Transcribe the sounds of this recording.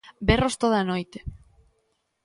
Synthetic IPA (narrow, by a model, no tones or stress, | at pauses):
berost̪oð̞anojt̪e̥